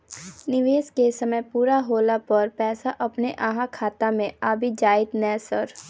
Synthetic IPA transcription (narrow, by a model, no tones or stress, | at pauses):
nɪʋeːskesɐməjpuːɾaɦoːlapɐɾpɛːsaʔɐpneʔaːɦãkʰaːt̪amẽaːbʱid͡ʒaːɪt̪nɛːsəɾ